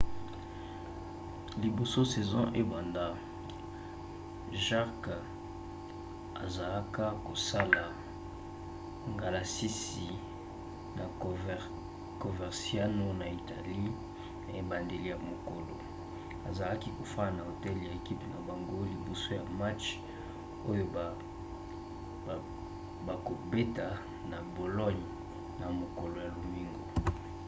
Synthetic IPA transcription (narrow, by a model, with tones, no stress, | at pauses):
li˨bo˨so˦sɛ˨zɔ̰̃˦ʔe˦ba˨nda˦ | ʒa˦k | a̰˨za˨la˦ka˦ko˨sa˦la˨ | ŋɡa˨la˨si˦si˨ | na˨ | ko˨vɛ˨ʁsja˦no˦na˨i˨ta˨li˦ | na˨e˦ba˨nde˨li˦ja˨mo˨ko˨lo̰˨ | a˨za˨la˦ki˦ko˨fa˦na˨na˨o˨tɛ˦li˨ja˨e˨ki˦pi˨na˨ba˨ŋɡo˦li˨bo˨so˦ja˨ma˦t͡ʃ | o˦jo˦˨ | ba˨ko˨be˦ta˨ | na˨bo˨lɔ˦ɲ | na˨mo˨ko˨lo˨ja˨lo˨mi˦ŋɡo̰˨